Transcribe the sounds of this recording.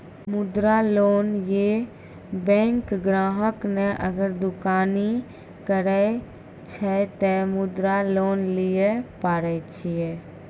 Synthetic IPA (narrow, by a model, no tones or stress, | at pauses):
mʊd̪ɾaloːnje | bɛ̃ŋkɡɾaːɦəkneʔəɡəɾd̪ʊkaːni | kəɾɛ | t͡ʃʰɛt̪ɛmʊd̪ɾaloːnlijepaːɾɛt͡ʃʰijɛ